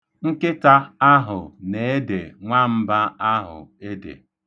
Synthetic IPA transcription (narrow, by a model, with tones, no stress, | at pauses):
ŋ̩˦kɪ˦ta˦a˦ɦʊ̰˨ne˨e˦dḛ˨ŋʷa˦m̩˦ba˦a˦ɦʊ̰˨e˦dḛ˨